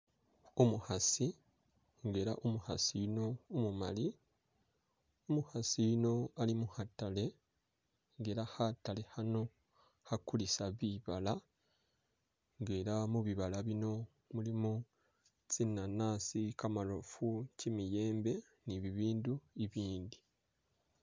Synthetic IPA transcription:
umuhasi | ŋɡe̞ɾaʔumuhasino̞ːmuma̰li | omuhasijno̞alimuhatale̞ | ŋɡeɾahatale̞hano̞ | hakulisaβiβala | ŋɡeːɾamuβiβalaβino̞ | mulimu | t͡sinanaːsikamalofucimije̞ːmbe̞ | niβiβiːnduiβiːndi

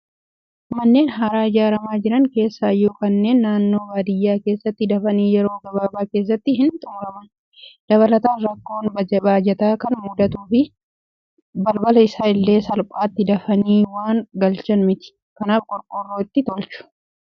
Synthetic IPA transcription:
mɐnːe̞ːnɦaːɾaːɪd͡ʒaːɾɐmaːd͡ʒɪɾɐŋke̞ːsːaːjːoːkɐnːe̞ːnːaːnːo̞ːbaːd̪ɪjːaːke̞ːsːɐt̪ːɪd̪ɐfɐniːjɛɾo̞ːɡɐbaːbaːke̞ːs̬ːɐt̪ːɪɦɪnt̪ʼʊːɾɐmɐn | d̪̥ɐβɐlɐt̪aːnɾɐkːo̞ːnbɐd͡ʒɛbaːd͡ʒɛt̪aːkɐnmuːd̪ɐt̪uːfɪ | bɐlbɐlɐɪsaːɪlːe̞ːsɐlpʼaːt̪ːɪd̪ɐfɐniːwaːŋɡɐlt͡ʃɐnmɪt̪ɪ̥ | kɐnaːfkʼɔɾkʼɔrːoːɪt̪ːɪt̪ɔlt͡ʃʊ̥

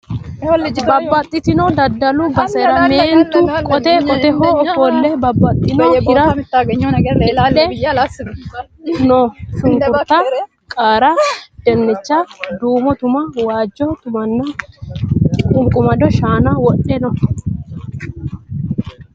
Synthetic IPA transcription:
bbɐbːɐt̪ʼːɪt̪ɪnɔd̪ɐd̪ːɐlʊbɐsɛɾɐme̞ːnt̪ʊkʼɔt̪ɛkʼɔt̪ɛhoɔfolːɛbɐbːɐt̪ʼːɪnɔhɪɾɐt̪ːaɡ | ɛ | nɔʃʊŋkʊt̪ːɐ | kʼaːɾɐd̪̥ɛnːɛt͡ʃːad̪uːmɔt̪ʊmɐwaːd͡ʒːɔt̪ʊmɐnːɐ | kʼʊŋkʼʊmɐd̪ɔʃaːnɐwɔɗɛnɔ

